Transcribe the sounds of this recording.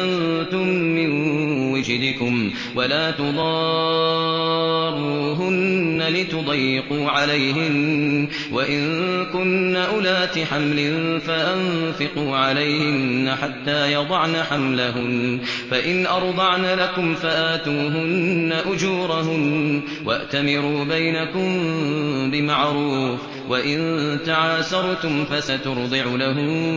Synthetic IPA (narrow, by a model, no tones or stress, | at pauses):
ant̪ʊmːɪnwɪd͡ʒd̪ɪkʊm | walaːt̪ʊd̪ˤɑː | rˤuːɦʊnːalɪt̪ʊd̪ˤɑjːɪquːʕalajɦɪn | waʔɪnkʊnːaʔʊlaːt̪ɪħamlɪnfaʔanfɪquːʕalajhɪnːaħat̪ːaːjɑd̪ˤɑʕnaħamlaɦʊmfaʔɪnʔɑɾˤd̪ˤɑʕnalakʊmfaʔaːt̪uːɦʊnnːaʔʊd͡ʒuːɾˤaɦʊm | wʔa̰ʔt̪amɪɾuːbajnakʊm | bɪmaʕɾuːf | waʔɪnt̪aʕaːsɑɾˤt̪ʊmfasat̪ʊɾd̪ˤɨʕʊlaɦʊm